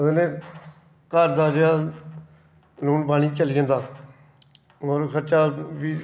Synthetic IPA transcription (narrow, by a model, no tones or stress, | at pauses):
enẽː | kaːɾd̪aːd͡ʒeaː | luːnbaːɽ̃iːt͡ʃəliːə̃nd̪aː | moːɾkʰəɾt͡ʃaːʋiː